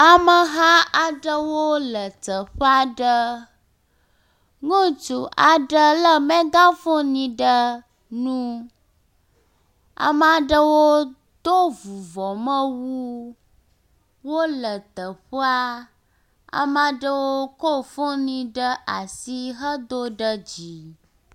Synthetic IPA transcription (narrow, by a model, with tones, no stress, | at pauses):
a˨mə˨ɦã˦a˨ɖə˦wo˦lə˨t̪ə˨ɸə˦a˦ɖə˦ | ŋũ˦t͡ʃu˨ʔa˨ɖə˦lə˦mɛ̃˦ɡã˦fo˦nĩ˨ɖə˦ | nũ˦ | a̰˨m˨a˨ɖə˦wo˦ | d̪o˦vu˨vɔ˨mə̃˦wu˦ | wo˦lə˨t̪ə˨ɸo˦a˦ | a̰˨mã˨ɖə˦wo˦ko˦fo˦nĩ˨ɖə˦ʔa˨si˦ɦə˦d̪o˦ɖə˦d͡ʑi˨